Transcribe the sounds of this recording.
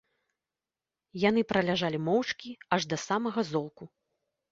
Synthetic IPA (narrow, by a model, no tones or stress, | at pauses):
janɨpɾʔɐlʲaʐalʲimɔwt͡ʂkʲiaʐd̪ɐsamɐɣɐzɔlˠku